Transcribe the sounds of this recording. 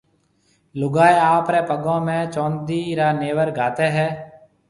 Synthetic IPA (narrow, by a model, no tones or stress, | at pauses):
lʊɡaːeaːpɾeːpəɠõːmẽːt͡ʃoːnd̪iːɾaːneːʋəɾɡʱaːt̪eːɦɛː